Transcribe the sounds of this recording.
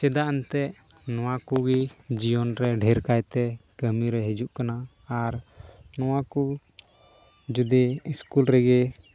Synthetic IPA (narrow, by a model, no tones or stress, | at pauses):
t͡ʃɛd̪aʔɛnt̪ɛʔ | nɔwakuɡid͡ʒijɔnɾɛɖʱɛɾkajt̪ɛkəmiɾɛɦɛd͡ʒuʔkanaː | ɾnɔwaku | d͡ʒud̪iiskulɾɛɡɛ